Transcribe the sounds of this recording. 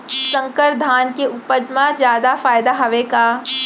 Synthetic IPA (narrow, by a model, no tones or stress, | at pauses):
sɐ̃ŋkəɾd̪ʱaːnkeʊpəd͡ʒmãd͡ʒjaːd̪afaːjɪd̪aɦɐʋeka